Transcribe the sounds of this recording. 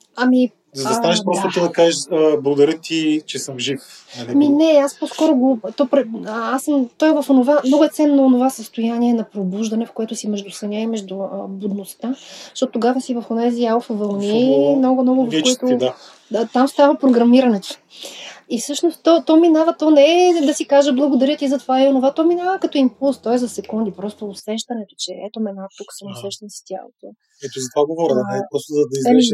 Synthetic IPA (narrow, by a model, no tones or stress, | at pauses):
ɐmi | zɐdɐsanɛʃpɾɔst̪ot̪əd̪ɐkaʒiʃblˠɐɡʊd̪ɐɾjət̪it͡ʃɛsəmʒifnɐiminɛaspɔskɔɾʊɡot̪ɔpɾɛasəmt̪ɔjvɐfonovamnɔɡʊɛt̪sɛnːoːnovasəst̪ojaniɛnɐpɾobuʒd̪ɐnɛfkoɛt̪ʊsimɛʒd̪ʊsɐnʲaimɛʒd̪ʊəbod̪nost̪ḁt̪ɔt̪ot̪ːoɡavəsivɐfonɛzialˠfəvɐlˠnimnɔɡʊmnɔɡʊvɐfkoit̪ʊ | at̪amst̪avɐpɾoɡɾɐmiɾɐnɛt̪o̥ | ifsɤʃnost̪ɔt̪ɔminavət̪ɔnɛd̪ɐsikaʒəblˠɐɡod̪ɐɾʲiət̪izɐt̪ovaionovat̪ɔminavəkɐt̪ɔimpulˠst̪ɔjzɐsɛkund̪ipɾɔst̪oːsɛʃt̪ɐnɛt̪o̥t͡ʃɛɛt̪omɛnat̪uksənosɛʃt̪ɐnst̪ʲja̰lˠo̰t̪o | ɛt̪ozɐt̪vaɡovɔɾɛpɾɔst̪ozɐd̪ɐizɛ